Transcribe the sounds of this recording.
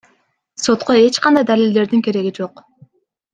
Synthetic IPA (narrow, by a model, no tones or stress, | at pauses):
so̞t̪qo̞e̞t͡ʃqɑnd̪ɑjd̪alild̪e̞ɾd̪iŋkʰe̞ɾe̞ɡid͡ʒo̞q